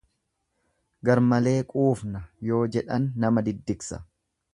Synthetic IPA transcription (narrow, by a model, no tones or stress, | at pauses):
ɡɐɾmɐle̞ːkʼuːfnɐjo̞ːd͡ʒɛᶑɐnːɐmɐd̪ɪd̪ːɪksɐ̥̰